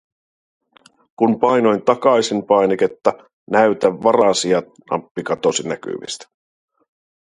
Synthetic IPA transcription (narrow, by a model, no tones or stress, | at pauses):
kunpɑjno̞jnt̪ɑkɑjsinpɑjnek̟et̪ːɑ | næɥt̪æʋːɑrɑsiɑ | nɑ̰pːikɑt̪o̞sinæk̟y̰ʋḭst̪i̥